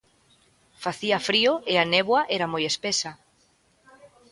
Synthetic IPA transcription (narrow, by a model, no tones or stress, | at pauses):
faθiɐfɾiʊeaneβwaʔɛɾamojespesa